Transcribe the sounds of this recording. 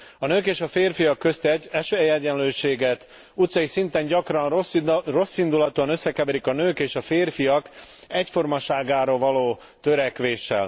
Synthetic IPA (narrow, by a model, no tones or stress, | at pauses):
ɒnøːkeːʃɒfeːrfijɒkːø̞st̪ɛɟɛʃøɛjɛɟɛnløːʃeːɡɛt̪ | ut̪sɒjisint̪ɛɲɟɒkrɒnro̞sːind̪ulɒt̪uɒnøsːɛkɛbɛɾikɒnøːkeːʃɒfeːrfijɒk | ɛcfo̞rmɒʃaːɡaːɾovɒloː | t̪ø̞ɾɛkʋeːʃːɛ̰l